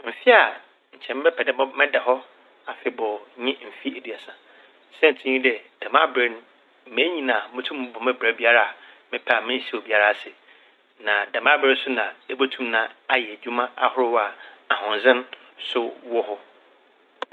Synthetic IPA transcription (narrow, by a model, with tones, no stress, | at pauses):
m̩˨fi˦a˨ | ɲ̩˨t͡ɕʰɛ̃˨m˦bɛ˦pʰɛ˨dɛ˦bɔ˦mɪ̃˦dɛ˨hɔ˦ | a˨fɪ˦bɔ˨ɲɪ̃˦m̩˨fi˦e˨di˨a˨sã˨ | sɛ˦n̩˨tʰɪ˦ɲĩ˦dɛ˨d̥ã˨mã˦bɾe˦ñ̩˦ | me˦ɲĩ˦nã˨mʊ̃˦tʰũ˦m̃˦bɔ̃˨mɛ̃˦bɾa˦bi˦a˦ɾa˨a˨ | mɪ̃˦pʰɛ˦a˨mɪ̃˦n̩˦si˦˨ɔ˨bi˦a˦ɾa˦˨sɛ˨ | nã˨dã˨mã˦bɾe˦sʊ˦nã˨e˦bo˦tʰũ˦mnã˦a˦jɛ˨d͡ʑᶣu˦mã˦ʔa̰˦hʊ˦ɾʊ˦wa˨a˨hʊ̃˨n˨zɪ̃˦n | sʊ˦wɔ˦hʊ˦